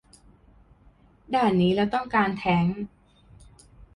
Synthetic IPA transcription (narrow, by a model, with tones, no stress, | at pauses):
daː˥˩niː˦˥lɛː˦˥wt̪ɔ˥˩ŋkaː˧nt̪ʰɛː˦˥ŋ